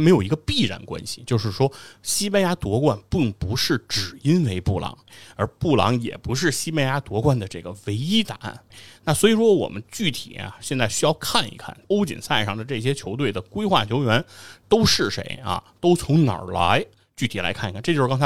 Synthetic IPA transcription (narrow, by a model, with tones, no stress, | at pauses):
me˧˥ɪjo˨˩ʊi˧˥ɡə˧pi˥˩ɻa̰˧˩nkwa̰˥nɕi̥˨t͡ɕjo˥˧ʊʂɻ̩˥˩ʂwɔ˥ɕi˥pa˥ja˥t̪wɔ˧˥kwa˥˧npi˥˩ŋpu˧˥ʂɻ̩˥˩ʈ͡ʂɻ̩˨˩i˥nwe˧˥ɪpu˥˩lɑ̰˧˥ŋə˞˧˥pu˥˩lɑ̰˧˥ŋjɛ̰˨˩pu˧˥ʂ̬ɻ̩˥˩ɕi˥pe˥˩ja˥t̪wɔ˧˥kwa˥˩nd̪ə˩ʈ͡ʂɤ˥˩ɡə˩we˧˥ɪi˥t̪a˨˩a̰˥˩nna˥˩swɔ˧˥i˨˩ʂwɔ˥wɔ̰˨˩mə˦nt͡ɕy˥˩t̪ʰḭ˨˩ja̰˦ɕjɛ˥˧nt͡sa˥˩ɪɕy˥jɑ˥˧ʊkʰa˥˩nḭ˧˥kʰa̰˥˩npo˥ʊt͡ɕḭ˨˩nsa˥˧ɪʂɑ˥˩ŋd̪ə˩ʈ͡ʂɤ˥˩ɕ̬jɛ˥t͡ɕʰjo˧˥ʊt̪we˥˩ɪd̪ə˩kwe˥ɪxwa˥˩t͡ɕʰjo˧˥ʊɥɛ˧˥nt̪o˥ʊʂɻ̩˥˩ʂḛ˧˥ɪɐ̰˧˩t̪o˥ʊt͡sʰʊ˧˥ŋnɑ̰˨˩la̰˧˥ɪ | t͡ɕy˥˩t̪ʰi˨˩la˧˥ɪkʰi˧kʈ͡ʂt͡ɕo˥˧ʂ̩˥˧ɑ˥ŋ˥t͡sʰ